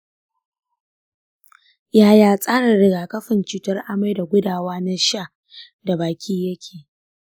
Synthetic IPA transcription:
jaː˦˨jaː˨sʼaː˦ɽa˨ɽɪ˨ɡaː˨kɐ˦ɸɪ˨nt͡ʃuː˨tɐ˦rʔa˨ma˦jda˨ɡʷʊ˦daː˨waː˦na˦ʃa˦˨ | da˨baː˨kʲiː˦jɐ˦kʲʰeː˨

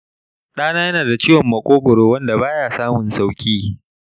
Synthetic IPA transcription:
ɗaː˦naː˦jɐ˦naː˨da˨t͡ʃiː˦wɐ˨mːɐ˨kʷʼoː˦ɡʷʊ˨ɽoː˨wɐ˦nda˨baː˦jaː˨saː˦mʊ˨nsa˦wkʲʼiː˦

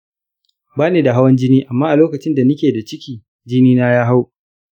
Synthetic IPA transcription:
baː˦neː˨da˨ɦa˦wɐ˦nd͡ʒɪ˦niː˦ʔa˨mːaː˦ʔa˨loː˦kɐ˨t͡ʃɪ˦nda˨nʊ˦kʲeː˨da˨t͡ʃɪ˦kʲiː˨ | d͡ʒɪ˦niː˦naː˦jaː˦ɦa˦w

